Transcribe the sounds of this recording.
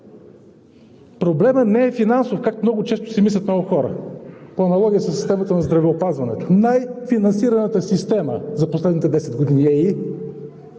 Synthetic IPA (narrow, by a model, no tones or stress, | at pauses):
pɾoblɛmənɛːfinansofkakmnɔɡʊt͡ʃɛst̪o̥sɛmislʲɐt̪nɔɡʊxɔɾə̰poɐnɐlˠɔɡʲijəsɐsːi̥st̪ɛmət̪ənɐzd̪ɾɐvɛopazvɐnɛ̰t̪o̥najfinɐnsiɾɐnət̪əsist̪ɛmə̰zɐposlɛd̪nit̪ɛd̪ɛsɛd̪ɡod̪iniɛi